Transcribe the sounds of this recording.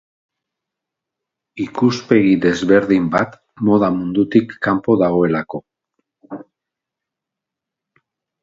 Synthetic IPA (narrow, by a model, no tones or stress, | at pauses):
ikuspe̞ɣiðe̞zβe̞ɾðimbat̪ | mo̞ð̞amund̪ut̪ikːampo̞ðaɣ̞o̞e̞lako̞